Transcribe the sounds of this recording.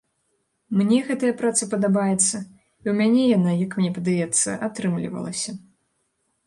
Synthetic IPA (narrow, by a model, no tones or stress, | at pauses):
mnʲɛɣɛt̪ɐjɐpɾat̪sɨpɐd̪abajɛt̪sːɐ | iwmʲanʲɛjanajɐkmnʲɛpɐd̪ajɛt̪sːɐ̰ʔat̪ɾɨmlʲḭvɐ̰lˠɐ̰sʲɐ